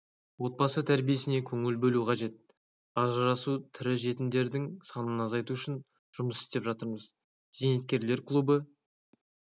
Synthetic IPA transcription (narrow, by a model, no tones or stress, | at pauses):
wo̞t̪̚bɑsət̪ʰæɾbije̞sɪne̞kʲʰɵŋɪlbɵluqʰɑʒe̞t̪̚ | ɑʒəɾɑsut̪ʰɪɾɪʒe̞t̪ɪnd̪e̞ɾd̪ɪŋsɑnənɑzɑjt̪uʏʃɪn | ʒ̥ʊməsɪ̥st̪e̞pʒɑt̪əɾməz | z̥enet̪kʲe̞ɾle̞ɾklˠubə